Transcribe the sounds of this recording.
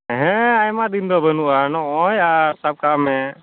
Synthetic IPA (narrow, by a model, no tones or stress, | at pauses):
ɦɛ̃ajmad̪ind̪ɔbənuʔanɔʔɔjasab̚kamɛ